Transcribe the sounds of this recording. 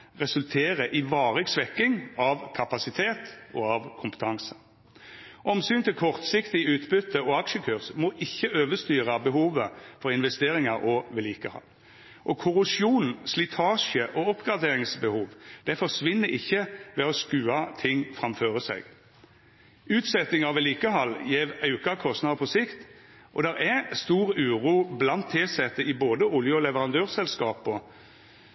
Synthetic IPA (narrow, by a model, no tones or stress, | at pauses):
ʁɛsʉlt̪ʰeːʁəʔɪʋɑːʁɪɡsʋɛkːɪŋɑʋkʰɑpɑsɪt̪ʰeːt̪ʔɔɑʋkʰʊmpə̥t̪ʰɑŋsə̥ | ʔɔmsyːnt̪ʰɪlkʰɔʁt̪sɪkt̪ɪʉːt̪bʏt̪ːəɔɑkʃəkʰøːʁsmɔʔɪçːəøːʋəst̪yːʁɑbəɦuːʋəfɔʁɪnʋɛst̪eːɾɪŋɑɾʔɔʋɛliːkəhɑ̰ː | ʔɔkʰʊʁʉsjuːn̩slɪt̪ʰɑːʂəʔɔɔpɡʁɑd̪eːɾɪŋsbəhuːʋd̪̥ɛfɔsʋɪnːəɪçːəʋɛɔskʉːɑt̪ʰɪŋːfʁɑmføːɾəsæ̰ɪɡ | ʉːt̪sɛt̪ːɪŋɑʋɛliːkəɦɑlːjeːʋɑʉkɑkʰɔst̪nɑːd̪əpʰɔsɪkt̪ | ʔɔd̪ɛɾɛst̪uːʁʉːɾuːblɑnt̪ʰːeːsɛt̪ːəɪboːd̪əʊljəɔlɛʋəʁɑnd̪øːʁsɛlskɑːpɔ